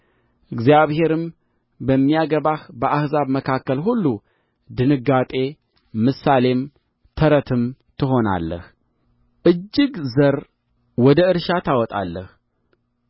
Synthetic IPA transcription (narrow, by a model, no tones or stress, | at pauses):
ʔɨɡzijaβhe̞ɾɨm | bəmːijaɡəβahbəʔahzaβməkʰakːəlɦulːu | d̪ɨnɨɡat̪ʼe̞ | mɨsale̞m | t̪ʰəɾət̪ʰɨmt̪ʰɨɦo̞na̰lːə̰h | ʔɨd͡ʒːɪɡzəɾ | wɔd̪əɨɾʃat̪ʰawɔt̪ʼa̰lːəh